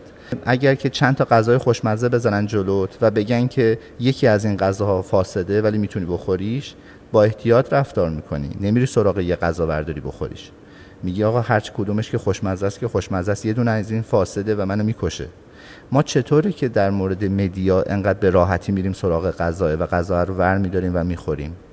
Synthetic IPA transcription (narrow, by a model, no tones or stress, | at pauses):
ʔæɟæɾcʰe̞t͡ʃʰænt̪ʰɒːɡæzɒːjexoʃmæzebe̞zæɾænd̪d͡ʒolot̪ʰvæbe̞ɟæncʰe̞ | je̞cʰiːæzinɢæzɒːhɒːfɒːse̞d̪e̞væliːmiːt̪ʰuniːbo̞xo̞ɾiːʃ | b̥ɒːe̞ht̪ʰijɒːt̪ʰɾæfd̪ɒːɾmiːkʰo̞̰nḭne̞miɾiːso̞ɾɒːɣejeɡæzɒːbæ̰ɾd̪ɒːɾiːbo̞̰xo̞̰ɾḭːʃ | miːɟiɒːɣɒːhæɾt͡ʃʰe̥kʰod̪uːme̞ʃcʰe̞xo̞ʃmæzæst̪cʰexo̞ʃmæzæst̪je̞d̪uːneæziːnfɒːse̞d̪e̞væmænomiːkʰo̞ʃḛ | mɒːt͡ʃʰe̞t̪ʰoːɾecʰe̞d̪æɾmoːɾe̞d̪e̞me̞d̪ijɒːʔe̞ŋɢæd̪̚be̞ɾɒːɦæt̪ʰiːmiːɾiːmso̞ɾɒːɣe̞ɡæzɒːevæɡæzɒɾovæɾmiːd̪ɒɾiːmvæmiːxo̞ɾḭːm